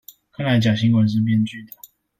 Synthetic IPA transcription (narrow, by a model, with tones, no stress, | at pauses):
kʰa˥˩nla˧˥t͡ɕjɑ˨˩ɕi˧˥ŋkwɛ˨˧˩ʂ̬ɻ̩˥˧p̬jɛ˥˧nt͡ɕy˥˩d̪ə˨